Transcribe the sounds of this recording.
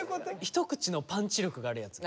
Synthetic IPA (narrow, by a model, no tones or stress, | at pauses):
çi̥t̪o̞kɯ̟̥t͡ɕino̞pãɲt͡ɕiɾʲo̞kɯ̟ɡaːɾɯjat͡sɨ̥